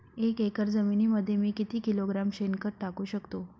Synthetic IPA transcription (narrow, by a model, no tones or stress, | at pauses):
ekekəɾd͡zəminiːməd̪ʱːjemiːkit̪iːkiloɡɾamɕenkəɾʈakuːɕəkt̪o